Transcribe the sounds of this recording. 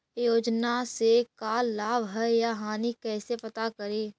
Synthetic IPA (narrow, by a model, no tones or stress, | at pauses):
joːd͡ʒnasekaːlaːbɦɛjaɦaːnikɛːsepət̪akəɾeː